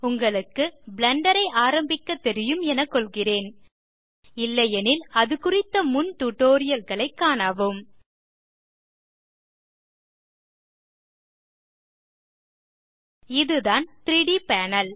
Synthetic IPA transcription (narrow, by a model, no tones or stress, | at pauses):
ʊŋɡɐɭɯkːɯblɐɳɖɐɾɐɪaːɾɐmbɪkːɐt̪ːɛɾɪjɯmɛnɐkːɔɭɣɪreːn | ɪlːɐjɛnɪlɐðɯkʊrɪt̪ːɐmʊnt̪uʈːoːɾɪjɐlɣɐɭɐɪkːaːnaːʋɯm | ɪðɯðaːnt̪ɾiːɽipaːnɐl